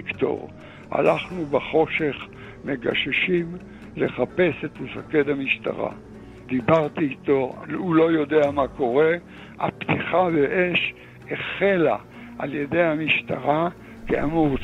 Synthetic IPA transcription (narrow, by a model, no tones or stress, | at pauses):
kt̪o̞̰ʁ | a̰laχnubaχo̞ʃe̞χ | meɡa̰ʃeʃim | le̞χape̞set̪musaked̪hamiʃt̪a̰ʁa̰ | d̪̥ibaʁt̪iːt̪oulo̞jo̞deamako̞ʁe̞ | a̰pt̪iχaveʔeʃ | eχe̞la | a̰lje̞de̞jhamiʃt̪a̰ʁa | kea̰muʁ